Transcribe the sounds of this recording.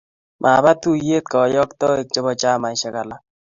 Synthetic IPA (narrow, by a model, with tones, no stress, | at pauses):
mʔa˨ba˦t̪u˦je˦t̪̚kɔ˨jɔ˦kt̪ɔ˦e˨k̚t͡ʃɔ˦bɔ˦t͡ʃa˦ma˨jʃa˦ka˨la˦